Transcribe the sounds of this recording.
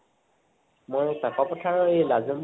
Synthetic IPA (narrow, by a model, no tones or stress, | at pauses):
mojsakɔpɔtʰaɹɔejlazɔm